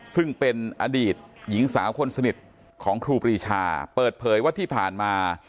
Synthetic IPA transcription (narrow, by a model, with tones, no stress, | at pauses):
sɯ˥˩ŋpe˧nʔaː˧diː˨˩t̪̚ji˩˦ŋsaː˩˦wkʰo˧nsa˧ni˨˩t̪̚ | kʰɔː˩˦ŋkʰɾuː˧pɾiː˧t͡ɕʰa̰ː˧pɤː˨˩t̪̚pʰɤː˩˦jwa˥t̪ʰiː˥˩pʰaː˨˩nmaː˧